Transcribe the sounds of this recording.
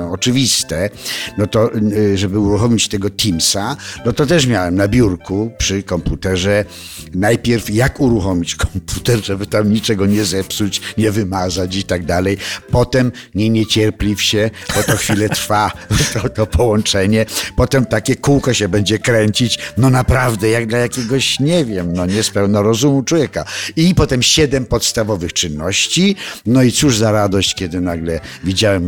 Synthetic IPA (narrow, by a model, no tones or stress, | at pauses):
ɔɔt͡ʂɨvʲist̪ɛnɔt̪ɔʐɛbɘuɾuxɔmʲit͡ɕt̪ɛɡɔt̪ʲimsanɔt̪ɔt̪ɛʂmʲjawɛmnabʲjuɾkupʂɘkɔmput̪ɛʐɛ | najpʲjɛɾfjakuɾuxɔmʲit͡ɕkɔ̥mpʰut̪ɛɾʐɛbɘt̪amɲit͡ʂɛɡɔɲɛzɛpsut͡ɕɲɛvɘmazat͡ɕit̪aɡ̚d̪alɛjpɔt̪ɛm | ɲɛɲet͡ɕɛɾplʲifɕɛbɔt̪ɔxfʲilɛt̪ɾfat̪ɔt̪ɔpɔwɔ̃nt͡ʂɛɲɛpɔt̪ɛmt̪akʲɛkuwkɔɕɛbɛɲd͡ʑɛkɾɛɲt͡ɕit͡ɕnɔnapɾavd̪ɛjaɡd̪lajakʲɛɡɔɕɲɛvʲjɛmnɔɲɛspɛwnɔɾɔzumut͡ʂwɔvjɛkaipɔt̪ɛmɕɛd̪ɛmpɔt̪st̪avɔvɘxt͡ʂɨnːɔɕt͡ɕinɔit̪suʐzaɾad̪ɔɕt͡ɕkʲɛd̪ɘnaɡlɛvʲid͡ʑawɛm